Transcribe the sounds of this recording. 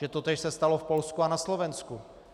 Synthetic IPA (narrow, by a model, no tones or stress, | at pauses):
ɛt̪ot̪ɛːʃsɛst̪alo̞fpo̞lskuanaslo̞vɛnsku